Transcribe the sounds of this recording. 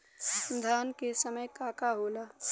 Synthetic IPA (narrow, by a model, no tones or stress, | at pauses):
d̪ʱaːnkesəməjkaːkaɦoːlaː